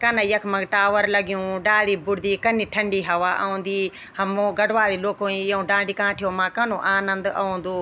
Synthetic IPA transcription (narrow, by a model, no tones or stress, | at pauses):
kɐnɐjɐkʰmɐ̃ɡʈaːʋəɾlɐɡijũːɖaːliːbʊɽd̪iːkɐniʈʰɐ̃ɳɖiːɦɐʋaːʔɐ̰ũːnd̪iː | hɐmõːɡɐɖʋaːliːloːkoːĩɐũːɖãːɖiːkãːʈʰijõːmãːkɐnõːʔaːnə̃nd̪ɐ̰ũːnd̪uː